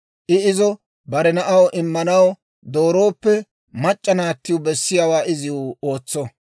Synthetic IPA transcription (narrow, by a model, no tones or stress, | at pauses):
ʔɪɪzɔ | bɐɾɛnɐʔɐwʔɪmːɐnɐw | d̪o̞ːɾo̞ːpːɛ | mɐt͡ʃʼːɐnaːt̪ːɪjʊbɛsːɪjaːwaːɪzɪʊoːt͡sːɔ